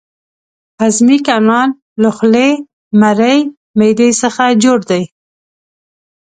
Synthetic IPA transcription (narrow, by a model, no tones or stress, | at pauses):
azmikɑnɑn | ləxle | maɾəj | mejd̪əjsəxad͡ʒoɽd̪aj